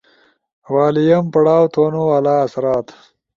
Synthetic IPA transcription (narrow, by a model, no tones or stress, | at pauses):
wɑːlijɐmpɐɽaːwt̪ʰoːnoalaːɐsɾɑːt̪